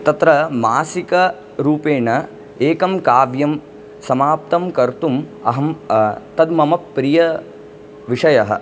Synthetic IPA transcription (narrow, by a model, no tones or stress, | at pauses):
t̪ɐt̪ɾɐmaːsikɐ | ɾuːpeːɳɐ | eːkɐmkaːʋjɐm | sɐmaːp̚t̪ɐmkɐɾt̪um | ɐɦɐmt̪ɐd̪mɐmɐpːɾijɐ | ʋiʂɐjɐɦɐ̰̆